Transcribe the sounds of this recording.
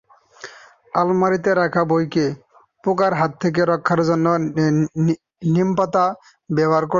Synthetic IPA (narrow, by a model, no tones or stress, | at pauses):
almaɾit̪eɾakʰabojke | pokaɾɦat̪ʰːek̬eɾɔkʰːaɾzɔnːɔ | nimpat̪a | bɛbaɾkɔ